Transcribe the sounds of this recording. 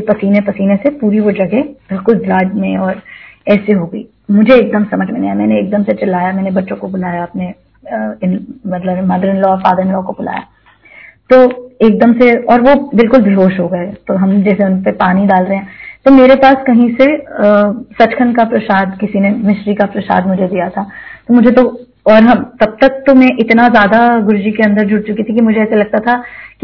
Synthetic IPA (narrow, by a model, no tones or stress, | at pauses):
pɐsiːnepɐsiːnesepuːɾiʋod͡ʒɐɡɛb̥ɪlkʊlblaːd͡ʒmẽɔːɾɛːseɦoːɡɐḭː | mʊd͡ʒʱeeːk̚d̪əmsɐməd͡ʒʰʱmẽneɛmɛːneeːk̚d̪əmset͡ʃɪlaːjamɛːnebɐʈːʃõkobʊlaːjaɐpne | ɪnmɐt̪ləbmad̪əɾɪ̃nlɔɔːɾfaːd̪əɾɪ̃nlɔːkobʊla̰ːja̰ː | t̪oːeːk̚d̪əmseɔːɾʋobɪlkʊlbʱɪɦoːʃɦoːɡɐet̪oɦɐmd͡ʒɛːseʊnpepaːniɖaːlɾɐɦeɛ̃ːt̪omeːɾepaːskɐɦĩseəsɐt͡ʃkʰənkapɾɐʃaːd̪kɪsinemɪʃɾikapɾɐʃa̰ːd̪mʊd͡ʒʱed̪ijat̪ʰat̪omʊd͡ʒʱet̪o | ɔːɾɦɐmt̪ɐb̚t̪ɐk̚t̪omɛ̃ʔɪt̪nazjaːd̪aɡʊɾd͡ʒikeɐ̃nd̪əɾd͡ʒʊɽt͡ʃʊkit̪ʰikimʊd͡ʒʱeɛːselɐɡ̚t̪at̪ʰaki